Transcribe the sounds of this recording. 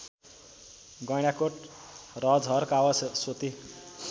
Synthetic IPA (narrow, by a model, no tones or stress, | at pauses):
ɡʌjɽ̃akoʈ | rʌd͡zɦʌɾkawassot̪i